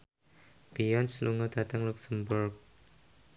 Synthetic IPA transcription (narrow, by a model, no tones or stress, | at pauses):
b̥iɔnsluŋɔd̪̥a̤t̪əŋluksəmburk̚